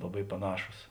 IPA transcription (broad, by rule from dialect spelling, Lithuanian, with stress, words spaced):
lˠɐˈbɐɪ pɐˈnɑːʃuːs